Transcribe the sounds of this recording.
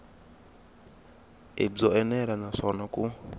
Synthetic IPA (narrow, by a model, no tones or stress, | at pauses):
ed͡zɔɛnɛɾanaʂɔnakʼu